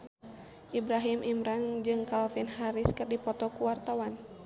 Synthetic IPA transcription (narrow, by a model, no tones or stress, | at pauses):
ʔibɾaɦimʔimɾaŋd͡ʒɨŋkalfinɦaɾiskɨrdipɔt̪ɔkuwart̪awan